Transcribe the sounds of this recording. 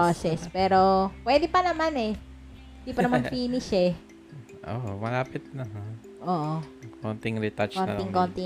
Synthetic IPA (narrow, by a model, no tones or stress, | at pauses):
osɛspɛːɾopwɛːd̪ɪpɐnɐmanɛ | hɪnd̪iːpɐnɐmanfiːnɪʃɛ | ʔoʔmɐlaːpɪt̪̚nɐɦa | ʔoːʔokont̪ɪŋɾɪt̪at͡ʃkoːnt̪ɪŋkont̪ɪ